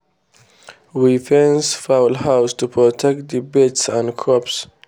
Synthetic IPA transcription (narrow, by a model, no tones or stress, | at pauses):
wifɛ̃nsfaʊlhaʊstupʰɹɔtʰɛk̚t̚dibɛtsãnkʰɹɔps